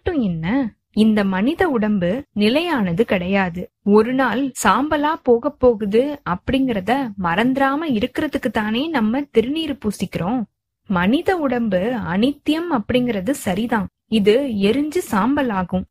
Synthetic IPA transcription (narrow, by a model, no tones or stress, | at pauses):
ʈːɯ̃ɛnːɐ | ɪnd̪ɐmɐnɪðɐʊɽɐmbɯnɪlɐjaːnɐðɯkɪɽɐjaːðɯ | ɔɾɯnaːlsaːmbɐlaːpoːɣɐpːoːɣɯðɯɐpːɐɽɪŋɡɪɾɐðɐmɐɾɐnd̪ɪɾaːmɐɪɾɯkːɪɾɐðɯkːɯt̪ːaːneːnɐmːɐt̪ɪɾɯniːɾɯpuːsɪkːɪɾõː | mɐnɪðɐʊɽɐmbɯɐ̰nɪt̪ːjɐmɐpːɐɽɪŋɡɪɾɐðɯsɐɾiðãː | ɪðɯɛɾɯɲd͡ʒɯsaːmbɐlaːɣɯ̃m